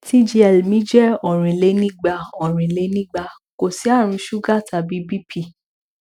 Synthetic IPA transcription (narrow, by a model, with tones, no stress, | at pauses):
ti˦d͡ʒi˧ɛ˨lmĩ˦d͡ʒɛ˦ɔ˨ɾ̃ĩ˨le˨˦nĩ˦ɡ͡ba˧ɔ˨ɾ̃ĩ˨le˨˦nĩ˦ɡ͡ba˧ | ko˨si˨˦a˦˨ɾ̃ũ˧ʃu˦ɡa˦˨ta˨bi˨˦bi˦pʰi˦˨